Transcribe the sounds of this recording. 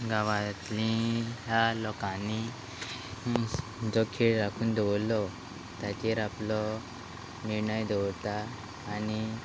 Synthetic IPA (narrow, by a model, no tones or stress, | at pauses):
ɡaʋat̪lĩjalɔkani | d͡zɔkʰeɭɾakʰuːnd̪eʋlːɔ | t̪jat͡ɕeɾaplɔ | niɾɳəjd̪ewt̪aː | ni